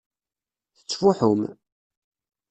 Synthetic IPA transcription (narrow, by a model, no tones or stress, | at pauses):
θə̥t͡sːfʊħʊm